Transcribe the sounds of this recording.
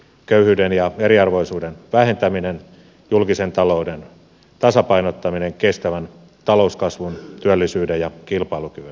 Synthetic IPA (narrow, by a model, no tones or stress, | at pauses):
køyhyːdenjɑeɾiɑrʋoisuːdenʋæhent̪æminen | julkisent̪ɑlouden | t̪ɑsɑpɑinot̪ːɑmineŋkest̪æʋæn | t̪ɑlouskɑsʋunt̪yælːisyːdejɑkilpɑilukyʋyn